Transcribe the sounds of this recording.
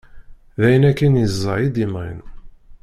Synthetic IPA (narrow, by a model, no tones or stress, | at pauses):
ðæjnækːinjəzˤːɑid̪imæjn